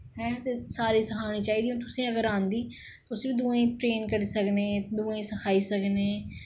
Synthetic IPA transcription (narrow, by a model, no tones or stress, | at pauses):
ɦɛːt̪eːsaːɾiːsəkʰaːnĩːt͡ʃaːɦiːd̪iːõːt̪ʊsẽːəɡəɾãːnd̪iː | t̪oːʊsːbiːd̪uːẽːʈɾeːnkəɾiːsəkneːd̪uːẽːsəkʰaːiːsəkneː